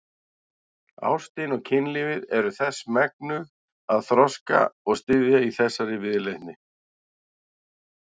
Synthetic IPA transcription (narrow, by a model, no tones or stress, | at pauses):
a̰w̥st̪ɪnɔɣcʰɪnlɪvɪðɛɾʏθɛsmɛk̚nʏɣ | aðθɾɔska̰ɔɣst̪ɪðjaiθɛsːaɾɪvɪðlejt̪nɪ